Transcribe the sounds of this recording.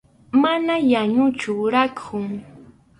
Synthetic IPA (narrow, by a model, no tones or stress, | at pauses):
manajaɲʊt͡ʃʊɾakʰʊŋ